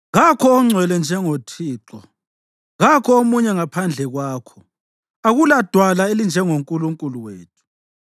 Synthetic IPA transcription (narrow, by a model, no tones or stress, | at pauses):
ɣakʰɔːŋ͡ǀʱwɛlɛnd͡ʒʱɛŋotʰiːǁɔ | ɣakʰɔomuɲɛŋapʰand͡ɮʱɛɣwaːkʰɔ̥ | aɣulad̥ʱwalaelind͡ʒʱɛŋoŋkʼuluŋkʼuluweːtʰu̥